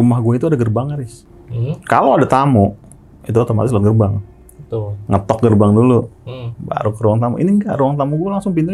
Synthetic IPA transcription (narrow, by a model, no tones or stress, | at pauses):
umahɡuait̪uadaɡərbaŋaɾɪs | kalowadat̪amʊʔ | it̪uat̪oma̰t̪ɪslaɡərbaŋ | t̪ʊŋət̪ɔk̚ɡərbaŋduluba̰ɾukəɾuwaŋt̪amʊ̰ʔḭniŋɡa̰ʔruwaŋt̪amʊɡualaŋsʊŋpin